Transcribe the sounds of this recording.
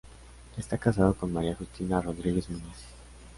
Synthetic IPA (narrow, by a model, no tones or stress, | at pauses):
ɛst̪akazakɔnmaɾiaxust̪ʰinaɾɔd̪ɾiɡizmunɛs